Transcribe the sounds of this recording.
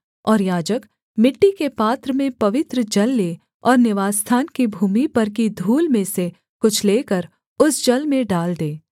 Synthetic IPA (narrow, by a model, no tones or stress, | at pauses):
ɔːɾjaːd͡ʒək | mɪʈːikepaːt̪ɾəmẽpɐʋɪt̪ɾəd͡ʒɐlːeː | ɔːɾnɪʋaːst̪ʰaːnkibʱuːmipɐɾk̬id̪ʱuːlmẽse | kʊt͡ʃʰleːkəɾ | ʊsd͡ʒɐlmẽɖaːld̪eː